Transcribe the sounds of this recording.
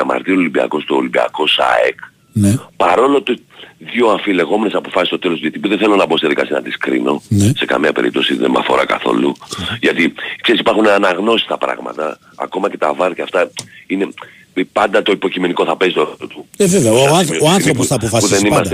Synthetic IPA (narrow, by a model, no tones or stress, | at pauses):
ɐmɐ̰ɾt̪iolimbiɐ̰ko̞st̪oːlimbiɐ̰ko̞sa̰ek | nepɐɾo̞lo̞t̪u | ðio̞ɐfile̞ɣo̞mene̞sɐpo̞fɐsist̪o̞t̪e̞lo̞st̪uʝet̪ipuðeθelonɐbo̞st̪iðikɐ̰siɐ̰nɐt̪iskɾḭno̞nese̞kɐ̰miɐpe̞ɾip̚t̪o̞siðḛmɐ̰fo̞̰ɾɐka̰θo̞̰luʝɐt̪ikseisi̥pɐɾxuneɐnɐɣno̞si̥st̪ɐpɾɐ̰ɣmɐ̰t̪ɐ̰ː | ko̞mɐce̞t̪ɐvɐɾcɐft̪ɐine̞ | pɐnd̪ɐt̪o̞ipo̞cime̞niko̞θɐpe̞zit̪ooot̪uveveɐanɾopɐpofɐspuðenimɐse